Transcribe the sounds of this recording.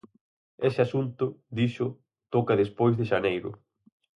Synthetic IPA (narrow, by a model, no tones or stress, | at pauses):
esɪasunt̪ʊd̪iʃʊ | t̪ɔkaðespojzðeʃanejɾʊ̰